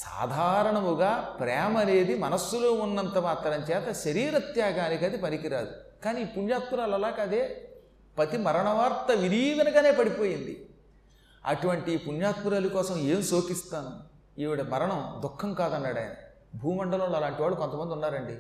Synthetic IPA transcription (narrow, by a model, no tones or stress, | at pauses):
sa̰ːd̪ʱaːɾɐɳɐmuɡaːpɾɛːmɐne̞ːd̪imɐnɐsːuloːunːɐnt̪ɐmaːt̪ɾɐmt͡ʃɛːt̪ɐʃɐɾiːɾɐt̪jaːɡaːnikɐd̪ipɐnikiɾaːd̪ukaːniːpunjaːt̪̚puɾaːlɐlaːkɐd̪eː | pɐt̪imɐɾɐɳɐʋaːɾt̪ɐʋiɾiːd̪ɐnɐɡaːne̞ːpɐɽipo̞ːjind̪ḭ | ɐ̰ʈuʋɐɳʈiːpunjaːt̪̚puɾaːlukɔːsɐme̞ːmsoːkist̪aːnu | iːʋiɽɐmɐɾɐɳɐmd̪ukʰːɐmkaːd̪ɐnːɐːɽɐːjnɐ | bʱuːmɐɳɖɐlɐmlːɐlaːɳʈiʋaːɭːukont̪ɐmɐnd̪iunːaːɾɐɳɖi